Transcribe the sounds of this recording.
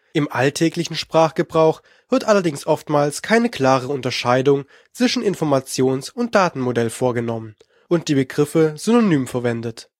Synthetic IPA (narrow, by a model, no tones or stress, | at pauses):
ʔɪmʔaltʰɛːklɪçn̩ʃpʁ̥aːχɡ̥əbʁaʊx | v̥ɪɐtʔalɐdɪŋsʔɔftmaːlskʰaɪnəkʰl̥aːʁ̞əʊntɐʃaɪdʊŋ | t͡sv̥ɪʃn̩ɪnfɔɐmat͡sjoːnsʊnt̚d̥aːtn̩modɛlfoːɐɡənɔmən | ʔʊnt̚d̥iːbəɡʁɪfəzynonyːmfɛɐvɛndət